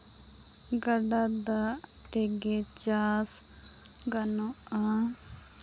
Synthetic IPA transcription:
ɡɐɖad̪a | t̪eɡet͡ʃaːs | ɡɐno | a

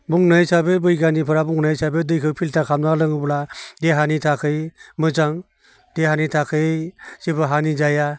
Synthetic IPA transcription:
buŋnajsabɯbɯjɡanipʰɯɾabuŋnajsabɯdɯjkʰɯwpʰiltʰakʰamnalɯŋɯbladeɦanitʰakʰɯjmɯzaŋ | deɦanitʰakʰɯjsibɯɦanid͡ʒaja

